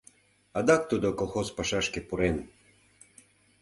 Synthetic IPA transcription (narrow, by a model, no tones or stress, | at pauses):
ad̪ak̚t̪ud̪okolˠxospaʃaʃkepuɾen